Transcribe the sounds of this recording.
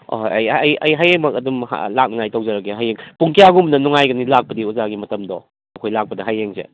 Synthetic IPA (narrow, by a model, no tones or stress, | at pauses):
o̰jɐjɐjɐjɦajeŋmɐkɐdumha̰la̰k̚nɐŋajtowzɐɾɐkeɦajeŋpuŋkijaɡumnɐnuŋajɡɐnilak̚pɐdiuzaɡimɐtɐmdɔ | ɐkʰojlak̚pɐdɐɦajeŋsḛ